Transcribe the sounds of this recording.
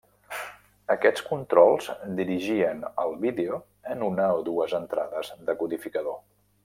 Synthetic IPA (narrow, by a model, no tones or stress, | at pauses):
əkɛt͡skunt̪ɾɔlˠz̥d̪iɾiʒiənə̰lˠβiðeu | ənunəoðuəzənt̪ɾaðəzðəkuðifikəðo